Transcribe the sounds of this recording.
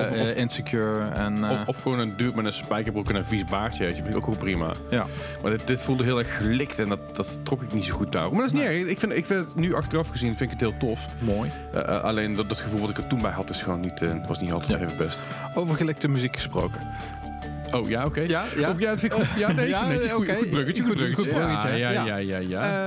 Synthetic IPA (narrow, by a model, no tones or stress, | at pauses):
ɪnsəkjuɹɛnɔfxəʋoːnəndyːtmɛnəspɛjkəɹbrukənənvisbaːɹtjəejtəfɪnɪko̰kːonprima̰j | ma̰ːɹdɪt̚dɪtfulˠdəɦɪːlˠɛɹxːəlɪktɛndɑtd̥ɑttːrɔkɪknitsowxut̚da̰ːkmaɹdɔɪs̬niɛɹɪkfɪnɪkfɪndətnyɑxtərɑfxəzinfɪndɪkətɦɪːlˠtɔf | moj̰ | ʔa̰lejnddɔtxəvulˠʋɑtɪkəɹtunbɛjɦɑtɪsxəʋownːitʰətʋɑsnitɑlˠtʰɛtejvəbɛst | owvəɹχəlɛk̚təmyzikxə̥spro̰wkə | owjaowkejaɔfjatfɪjanenexubrøkəubøkəəəkəjaajaja